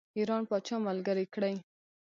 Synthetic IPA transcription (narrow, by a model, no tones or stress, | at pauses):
iɾɑnpɑt͡ʃɑmalɡəɾikɽaj